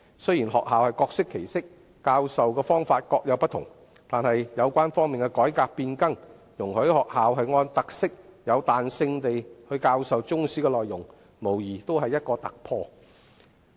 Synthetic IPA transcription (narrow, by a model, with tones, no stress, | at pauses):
sɵ˥jiː˨˩nɦɔ̰ː˨k̚haː˨whɐ˨jkɔː˧ksɪ˥kʰːe˨˩jsɪ˥k̚ | kaː˧wsɐ˨wkɛː˧fɔː˥ŋfaː˧t̚kɔː˧k̚jɐ˨˧wpɐ˥t̪ʰʊ̰˨˩ŋ | t̪aː˨nɦɐ˨jjɐ˨˧wkʷaː˥nfɔː˥ŋmiː˨˩nkɛ˧kɔː˨˥jkaː˧k̚piː˧nkɐ˥ŋ | jʊ˨˩ŋhɵ˨˥hɔː˨k̚haː˨wɦɐ˨jŋɔː˧nt̪ɐ˨k̚sɪ˥k̚jɐ˨˧wt̪aː˨nsɪ˧ŋt̪e˨jhɵ˧ɥkaː˧wsɐ˨wt͡sʊ˥ŋsiː˥kɛː˧lɔː˨jːʊ˨˩ŋ | mo˨˩wjiː˨˩t̪o˥wɦɐ˨jːɐ˥t̚kɔː˧t̪ɐ˨k̚pʰɔː˧